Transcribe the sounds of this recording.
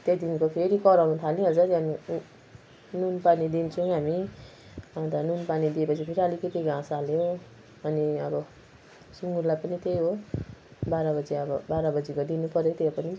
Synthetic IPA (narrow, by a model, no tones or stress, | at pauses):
t̪ejd̪inkopʰeɾikʌɾʌnũt̪ʰalnĩɦʌd͡zʌt̪ani | nunpanid̪int͡sʰʌ̃ɦami | at̪anunpanid̪iepʌt͡sʰipʰeɾiʌlikʌt̪iɡãsaljo | ʌniʌbʌ | suŋɡurlajpʌnit̪ejɦo | baɾabʌd͡zeʌbʌbaɾabʌd͡zikod̪inupʌrjot̪eopʌni